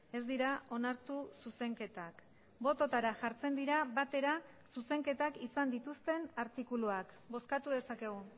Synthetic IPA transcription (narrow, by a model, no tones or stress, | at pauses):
e̞zd̪iɾao̞naɾt̪ususe̞ŋke̞t̪ak | bo̞t̪o̞t̪aɾaʝaɾt͡send̪iɾaβat̪e̞ɾa | suse̞ŋke̞t̪akisand̪it̪ust̪e̞naɾt̪ikuluak | bo̞skat̪uðe̞sake̞ɣ̞u